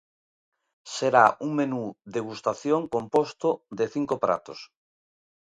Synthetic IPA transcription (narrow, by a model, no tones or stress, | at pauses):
seɾauŋmenuðeɣust̪aθjoŋkompost̪oðeθiŋkopɾa̰t̪o̰s